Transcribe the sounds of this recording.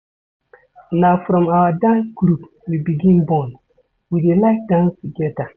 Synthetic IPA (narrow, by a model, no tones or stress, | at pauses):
nafʊɾɔmawadakuɾup | bibiɡĩnbɔn | widelakdãnsɡɛta